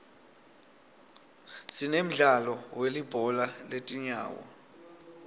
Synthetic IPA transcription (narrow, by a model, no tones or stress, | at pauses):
sinem̩ɮalɔwelib̥ʱɔlaletʼiɲa̰ːwɔ̰